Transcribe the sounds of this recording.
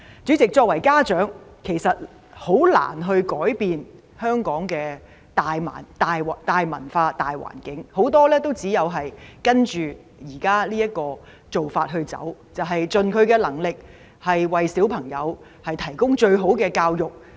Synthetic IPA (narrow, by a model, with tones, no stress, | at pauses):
t͡syː˨˥t͡sɪ˨k̚t͡ʃɔː˧k̚wɐ˨˩jkaː˥t͡ʃœː˨˥ŋkʰe˨˩jsɐ˨t̚ | ho˨˥wla̰ː˨˩nɦɵ˧ɥkɔː˨˥jpiː˨˧n | hœː˥ŋkɔː˨˥ŋkɛː˧ | t̪aː˨jma̰ː˨˩nt̪aː˨jt̪aː˨jmɐ̰˨˩nfaː˧t̪aː˨jwa̰ː˨˩nkɪ˨˥ŋho˨˥wt̪ɔː˥lɛː˥t̪o˥wt͡siː˨˥jɐ˨˧wɦɐ˨jkɐ˥nt͡ʃyː˨ | jiː˨˩kaː˥liː˥jɐ˥t̚kɔː˧ | t͡so˨wfaː˧t̚ɦɵ˧ɥt͡sɐ̰˨˥wt͡sɐ˨wɦɐ˨jt͡sɵ˨nkʰɵ˨˧ɥkɛː˧lɐ˨˩ŋlɪ˨k̚ | hɐ˨jwɐ˨jsiː˨˥wpʰɐ˨˩ŋjɐ˨˧w | hɐ˨jt̪ʰɐ˨˩jkʊ˥ŋt͡ʃɵ˧ɥɦo˨˥wkɛː˧kaː˧wjʊ˨˩k̚